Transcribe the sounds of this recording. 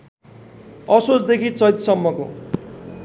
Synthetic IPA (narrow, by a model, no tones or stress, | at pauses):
ʌsot͡sd̪ekʰit͡sʌjt̪sʌmːʌko̰